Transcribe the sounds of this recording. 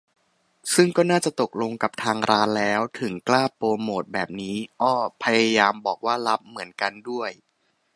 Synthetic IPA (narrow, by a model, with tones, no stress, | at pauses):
sɯ˥˩ŋkɔː˥˩naː˥˩t͡ɕa˨˩t̪o˨˩k̚lo˧ŋka˨˩p̚t̪ʰaː˧ŋɾʔaː˦˥nlɛː˦˥wt̪ʰɯ˩˦ŋklaː˥˩poː˧moː˨˩t̪̚bɛː˨˩p̚niː˦˥ʔɔː˥˩pʰa˧ja˧jaː˧mbɔː˨˩k̚waː˥˩la˦˥p̚mɯ˩˦ənka˧ndu˥˩əj